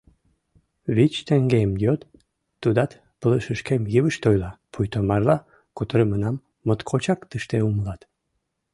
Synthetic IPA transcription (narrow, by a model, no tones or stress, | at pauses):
βit͡ɕt̪eŋɡemjøt̪ː | ud̪ɑt̪ | pələʃəʃkemjəβəʃt̪ojlɑpʰujt̪omɑrlɑ | kut̪əɾəmənɑmː | ət̪kʰot͡ɕɑkt̪əʃt̪euməlɑt̪